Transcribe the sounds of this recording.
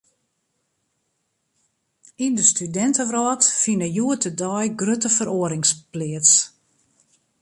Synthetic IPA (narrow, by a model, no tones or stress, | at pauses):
indəstydɛntəʋrɔːtfinəjuətədɔjɡrøtəfəɾoəɾɪŋsplɪəts